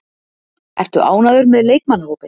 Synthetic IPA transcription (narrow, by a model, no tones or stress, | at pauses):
ɛ̰r̥t̪ʏʔa̰ːwnaðʏɾmɛðleːjk̚manːhoːwpɪ